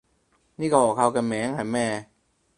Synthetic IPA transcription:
niː˥˩kːʔɔː˨˩k̚ʰa˧wka˧nmɛː˨˦ŋhaː˨˦mɛː˧˩

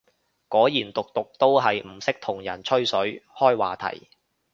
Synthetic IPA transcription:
kɔː˨˥jiː˨˩nt̪ʊ˨k̚t̪ʊ˨k̚t̪o˥wɦɐ˨jm̩˨˩sɪ˥k̚t̪ʰʊ˨˩ŋjɐ˨˩nt͡ʃʰɵ˥ɥsɵ˨˥ɥhɔː˥jwaː˨t̪ʰɐ̰˨˩j

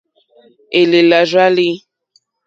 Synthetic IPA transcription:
e˨le˨la˨ʒa˦li˦

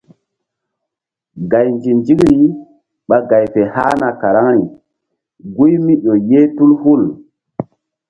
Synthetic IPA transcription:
ɡa˨jnd͡ʒi˨nd͡ʒi˦kɾi˦ | ɓa˨ɡa˨jpe˨ha̰˦na˨ka˨ɾa˦ŋi˨ | ɡu˦jmi˦ɗo˨je˦tu˦lhu˦˨l

